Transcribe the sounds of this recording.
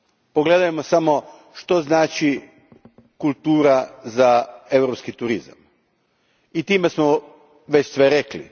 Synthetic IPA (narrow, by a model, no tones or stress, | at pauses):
po̞ɡle̞d̪ajemo̞samo̞ | ʃt̪o̞znaːt͡ʃi | kulˠt̪uːɾazae̞ʋɾo̞pskit̪uɾiza̰m | it̪iːme̞smo | ʋe̞t͡ɕsʋe̞ɾe̞klḭ